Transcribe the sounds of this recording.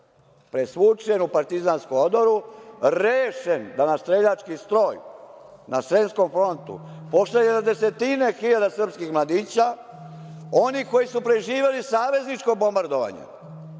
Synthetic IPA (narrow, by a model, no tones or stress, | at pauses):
pɾesʋut͡ʃenupaɾt̪izanskumod̪oɾuɾeːʃend̪anast̪ɾeʎat͡ʃkist̪ɾo̞ːjnasɾe̞nsko̞mfɾo̞nt̪ṵpo̞seɲenad̪e̞se̞t̪ine̞xiʎad̪asrpskixmlad̪iːt͡ɕa | o̞niko̞jisupɾe̞ʒiːʋe̞lisaːʋe̞znit͡ʃko̞bo̞mbaɾd̪o̞ʋa̰ɲḛ